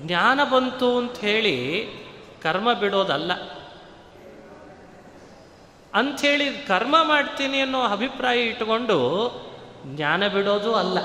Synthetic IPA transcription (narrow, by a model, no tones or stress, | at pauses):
ɡnaːnɐbɐnt̪uɐnt̪ɦeːɭi | kɐɾmɐbiɽo̞ːd̪ɐlːɐ | ɐnt̪ɦe̞ːɭikɐɾmɐmaːɖt̪iːniɐnːoːɐbʱipɾaːjɐiʈːko̞ɳɖu | ɡɲaːnɐbiɽoːd̪uɐlːɐ